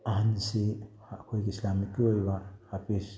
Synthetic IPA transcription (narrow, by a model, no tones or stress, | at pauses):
ansihakʰojkislamikiojβahapis